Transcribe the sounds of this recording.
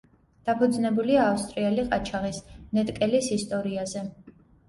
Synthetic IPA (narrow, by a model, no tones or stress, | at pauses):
d̪̥apʰud̪znɛbuliaːfst̪ʼɾiɛliqʼat͡ʃʰaʁisnɛt̪ʼkʼɛlisist̪ʼɔɾiazɛ